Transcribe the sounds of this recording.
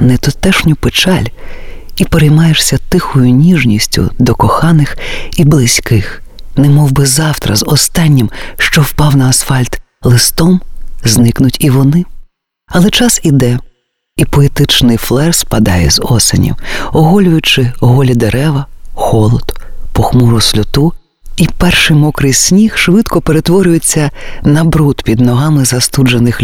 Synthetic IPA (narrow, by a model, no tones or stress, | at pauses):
net̪ɔt̪ɛʃnʲʊpet͡ʃɑlʲ | ipeɾejmɑjeʃsʲɐt̪ɪxʊjʊnʲiʒnʲisʲtʲʊ̰d̪ɔkɔxɑnɪxiblˠɪsʲkɪx | nɛmɔwbɪzɑwt̪ɾɐ̰zɔst̪ɑnʲːimʃt͡ʃɔwpɑwnɐːsfɑlʲt̪ | lˠɪst̪ɔmznɪknʊtʲiʋɔnɪ | ɐlˠɛt͡ʃɑsid̪ɛ | ipɔet̪ɪt͡ʃnɪjflˠɛrspɐd̪ɑjɛ̰zɔsḛnʲḭwɔɦɔlʲʊjʊt͡ʃɪɔɦɔlʲid̪eɾɛʋɐxɔlˠɔd̪pɔxmuɾʊsʲlʲʊt̪u | ipɛrʃɪjmɔkɾɪjsʲnʲixʃʋɪt̪kɔpeɾet̪ʋɔɾʲʊjet͡sʲːɐnɐbɾut̪pʲid̪nɔɦɑmɪzɐst̪ud͡ʒenɪxʲ